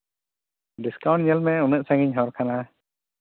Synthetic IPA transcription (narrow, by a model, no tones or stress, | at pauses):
ɖiskaw̃ɳʈ̚ɲəlmɛunəʔsaŋiɲɦɔɾkʰana